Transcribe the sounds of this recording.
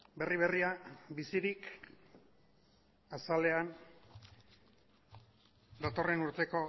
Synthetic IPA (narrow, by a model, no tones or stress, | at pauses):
be̞riβ̞eriabisiɾik | asale̞an | d̪at̪o̞re̞nuɾt̪e̞ko̞